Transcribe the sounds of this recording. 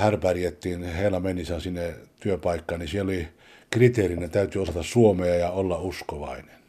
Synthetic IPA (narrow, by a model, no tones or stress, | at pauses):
hærpærijet̪ːiːnheilɑmenisænsinːet̪yøpɑikːɑːnnisieloli | krit̪eːrinːet̪æyt̪yosɑt̪ɑssuomeɑjɑolːɑuskoʋɑinen